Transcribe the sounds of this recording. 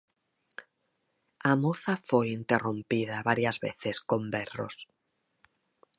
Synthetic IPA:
amoθafojint̪erompið̞aβaɾjazβḛθesko̞mbero̰s

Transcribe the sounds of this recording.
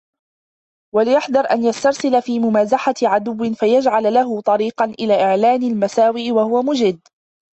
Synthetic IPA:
walɪjaħd̪ɑɾˤʔanjast̪ɑɾˤsɪlafiːmʊmaːzaħaʕad̪ʊwːɪnfajad͡ʒʕallaɦʊt̪ˤɑɾiːqɑnʔɪlaːʔɪʕlaːnɪlmasaːwiʔwahʊwamʊd͡ʒɪd̪ː

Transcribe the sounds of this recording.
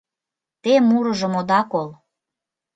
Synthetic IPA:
t̪emuɾɤ̆ʒə̆mod̪ɑkol

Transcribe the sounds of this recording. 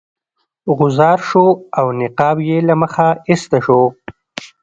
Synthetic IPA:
ɡʊzɑːɾʃoawnɪqɑːbjelaməxaɪst̪aʃo

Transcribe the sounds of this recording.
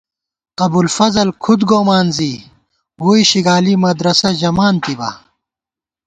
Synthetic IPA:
qɐbulfɐzɐlkʰud̪ɡoːmaːnzi | wuːiɕiɡaːlimɐd̪ɾɐsɐʑɐmaːnt̪ibɐ̰

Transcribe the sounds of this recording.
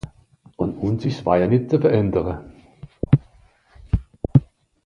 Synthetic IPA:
ʔʊntʔuːnsɪçsv̥a̰ːjanɪt̚t͡sufɛɐʁɛndəʁə

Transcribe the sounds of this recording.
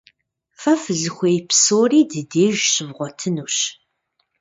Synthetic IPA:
fɐfɨɮɨxʷeːjpsoːriːdɨdeːʒɕɪvʁʷɔtʰɨnuːɕ

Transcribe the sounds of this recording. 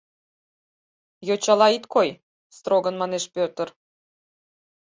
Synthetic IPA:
jot͡ɕɑlɑit̪koj | st̪roɡənmɑneʃpørt̪ə̆r

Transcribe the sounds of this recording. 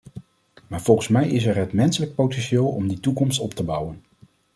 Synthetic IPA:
maːɹv̥ɔlˠχənsmɛjɪsɛɹɦətmɛnsələk̚powtɛnʃeːlˠɔ̰mditukɔmstɔp̚təbʌwən

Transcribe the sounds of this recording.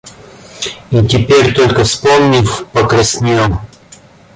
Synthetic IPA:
it̪ʲipʲɛɾʲt̪ɔlʲkəfspɔmnʲifpɐkɾɐsnʲiom

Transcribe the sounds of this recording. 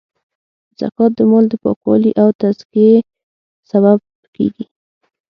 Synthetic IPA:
z̥a̰kɑt̪̚d̪əmold̪əpɑ̰kwɑ̰liʔawt̪azkie | saβab̚ | kḛɡi

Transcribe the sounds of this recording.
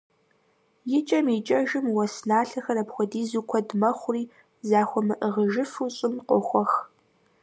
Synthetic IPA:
jɪt͡ʃʼɐmit͡ʃʼɐʒɨmwɐsnaːɬɐxɐɾɐpxʷɔdiːzuːkʷʰɔdmɐχʷʊriː | zaːxʷɔmɨʔəʁəʒɨfuːɕʼɪmqʷʼɔxʷɔx

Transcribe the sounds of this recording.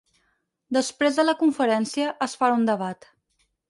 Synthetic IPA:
d̪əspɾezðələkuɱfəɾɛnsiəʔəsfaɾund̪əβat̪

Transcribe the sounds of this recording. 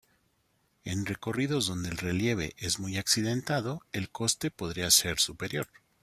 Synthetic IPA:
e̞nre̞ko̞riðo̞zðo̞nd̪e̞ːlre̞lje̞β̞e̞̰ʔezmujaksiðe̞nt̪aðo̞e̞lko̞st̪e̞po̞ðɾiaseɾsupe̞ɾjo̞ɾ

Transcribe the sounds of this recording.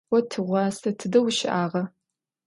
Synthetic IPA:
ɐtʰɨʁʷɑːstʰɐtʰɨdɐwʃɪʔaːʁɐ

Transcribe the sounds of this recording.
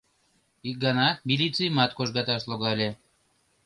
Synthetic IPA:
ik̚ɡɑnɑmʲilʲit͡sɨjmɑt̪koʒɣɑt̪ɑʃloɣɑlʲe

